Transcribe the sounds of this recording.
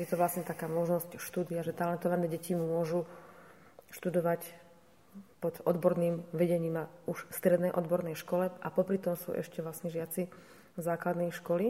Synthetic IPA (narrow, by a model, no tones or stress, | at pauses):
jɛt̪ɔʋlasɲɛt̪akaːmɔʒnɔscʃt̪uːd̪iaʒɛt̪alɛnt̪ɔʋanɛːɟɛcimʊɔʒu | ʃt̪ud̪ɔʋac | pɔd̪ɔd̪bɔɾniːmʋɛɟɛɲiːmauʃfst̪ɾɛd̪nɛjʔɔd̪bɔɾnɛjʃkɔlɛʔapɔpɾit̪ɔmsṵːʔɛ̰ʃcɛʋlasɲɛʒɪat͡si | zaːklad̪nɛːʃkɔli